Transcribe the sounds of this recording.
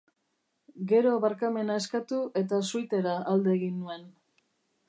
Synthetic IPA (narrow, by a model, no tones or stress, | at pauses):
ɡe̞ɾo̞βaɾkame̞nae̞skat̪uʔe̞t̪asujt̪e̞ɾaald̪e̞ːɣinːue̞n